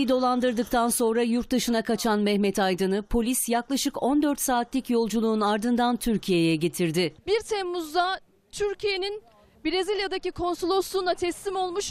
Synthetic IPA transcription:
id̪o̞lˠand̪ɯɾd̪ɯk̚t̪ʰanso̞nɾajuɾt̪̚d̪ɯʃɯnakʰat͡ʃʰanmɛhmɛt̪ʰajd̪ɯnɯpʰo̞lʲisjaklˠaʃɯko̞nd̪øɾt̪saːt̪ʰlʲicjo̞lˠd͡ʒulˠuːnaɾd̪ɯnd̪ant̪ʰyɾcʰije̞jɛɟe̞t̪ʰiɾd̪ɪbiɾt̪ʰɛmːuzd̪a | t̪ʰyɾcʰije̞nin | biɾezilʲjad̪acikʰo̞nsolˠoslˠuːnˠat̪ʰɛslimo̞lˠmuʃ

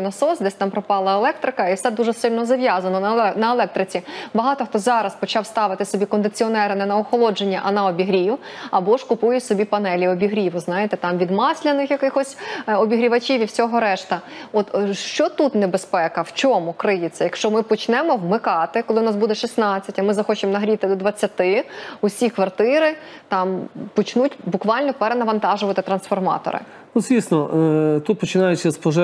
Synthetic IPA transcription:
nɐsɔsd̪ɛsʲt̪ɑmpɾɔpɑlˠɐelˠɛk̚t̪ɾɪkɐifsɛd̪uʒɛsɪlʲnɔzɐʋʲjɑzɐnɔnɐnɐelˠɛk̚t̪ɾɪt͡sʲibɐɦɑt̪ɔxt̪ɔzɑɾɐspɔt͡ʃɑwst̪ɑʋɪt̪ɪsɔbʲikɔnd̪ɪt͡sʲiɔnɛɾɪnɛnɐɔxɔlˠɔd͡ʒenʲːɐʔɐnɐɔbʲiɦɾʲi | ɐbɔʂkʊpujʊsɔbʲipɐnɛlʲiɔbʲiɦɾʲiʋʊznɑjet̪ɛt̪ɑmʋʲid̪mɑsʲlʲɐnɪxjɐkɪxɔsʲɔbʲiɦɾʲiʋɐt͡ʃiʋʲiwsʲɔɦɔɾɛʃt̪ɐɔt̪ʃt͡ʃɔt̪ut̪nebespɛkɐwt͡ʃɔmʊkɾɪjɪt͡sʲːɐjɐkʃt͡ʃɔmɪpɔt͡ʃnɛmɔwmɪkɑt̪ɪkɔlˠɪʊnɑsbud̪ɛʃisnɑt͡sʲːɐtʲɐmɪzɐxɔt͡ʃɪmɔnɐɦɾʲit̪ɪd̪ɔd̪ʋɐt͡sʲːɐt̪ɪʊsʲikʋɐrt̪ɪɾɪ | t̪ɑmpɔt͡ʃnutʲbʊkʋɑlʲnɔpɛɾɛnɐʋɐnt̪ɑʒʊʋɐt̪ɪt̪ɾɐnsfɔrmɑ̰t̪ɔ̰ɾɪ̰ | uzʋʲisnɔt̪ut̪̚pɔt͡ʃɪnɑjʊt͡ʃʲːɐspɔʒɛ

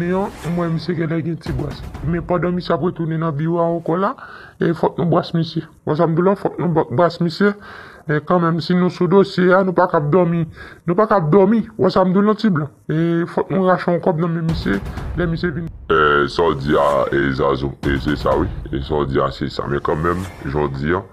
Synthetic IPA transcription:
ẽãmwɛ̃mĩseɡɛ̃lɛɡɛ̃tibwasmɛ̃pãdãmĩseap̬ɣet̪unenãbioaokɔla | efɔt̪̚nũbwasmĩse | was̬amd̪ulãfɔt̪̚nũbwasmĩsje | ɛkãmɛ̃msinũsũdosjeanũpakap̚d̪ɔmĩnũpakap̚d̪ɔmĩwasamd̪ulãtiblã | efɔt̪̚nũɣaʃɔ̃ɔ̃kɔbnãmɛ̃mːisjelɛmisjevinũesɔd͡zia̰eza̰zoesesa̰wiḛsɔd͡zia̰sesa̰mɛ̰̃kãmɛ̃mʒɔd͡ziã

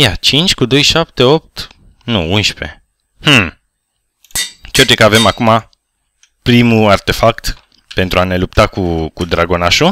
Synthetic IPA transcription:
jat͡ʃint͡ʃʲkud̪o̞jʃap̚t̪e̞o̞p̚t̪ | nuunʃpe̞̰ | h̩ | t͡ʃeoɾt͡ʃ̪ekəave̞makuma | pɾimuart̪e̞fakt̪ | pe̞nt̪ɾuane̞lup̚t̪akukud̪ɾaɡo̞naʃo

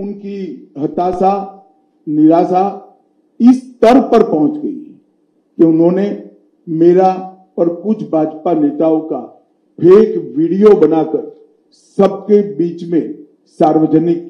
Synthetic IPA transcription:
ʊnkiɦɐt̪aːsa | nɪɾaːsa | ɪst̪ɐɾpɐɾpɐɦʊ̃t͡ʃɡɐḭ | keʊnɦõːne | meːɾa | ɐɾkʊt͡ʃʰbʱaːd͡ʒpaneːt̪aːõka | pʰeːkʋiːɽijobɐnaːkəɾ | sɐb̚kebiːt͡ʃmẽ | saːɾʋəd͡ʒənɪk

